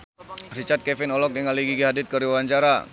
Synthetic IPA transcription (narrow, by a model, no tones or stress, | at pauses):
rit͡ʃat̪̚kɛfɪnɔlɔk̚dəŋaliɡiɡiɦadɪt̪̚kəɾiwwaɲt͡ʃaɾa